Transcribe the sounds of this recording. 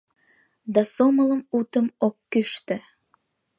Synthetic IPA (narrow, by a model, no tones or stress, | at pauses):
d̪ɑsomələmut̪ə̆mok̚kyʃt̪ɘ̆